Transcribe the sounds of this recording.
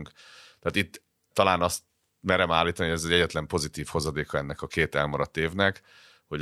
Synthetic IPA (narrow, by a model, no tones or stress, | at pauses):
ŋkt̪ɛːt̪it̪ː | ɒlaːnɒst̪ | mɛɾɛmaːlːiːt̪ɔnihoɛzɛɟɛɟːɛt̪lɛmpo̞zit̪iːfho̞zɒd̪eːkɒɛnːɛkɒkeːt̪ɛlmɒɾɒt̪ːeːvnɛk | ho̞ɟ